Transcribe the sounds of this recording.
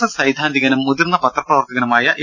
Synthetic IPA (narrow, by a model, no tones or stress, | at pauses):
ɐsɐjd̪ʱaːnd̪ʱiɣɐnumːud̪irnːɐpɐt̪rɐpːrɐʋɐrt̪ːɐɣɐnumaːjɐʔ